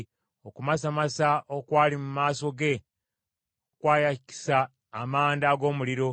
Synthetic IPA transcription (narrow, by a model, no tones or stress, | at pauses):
okumasamasaʔokwaːlimumaːso̞ɡe̞ | okwaːjaci̥saː | maːndaɡo̞ːmuliɾo̞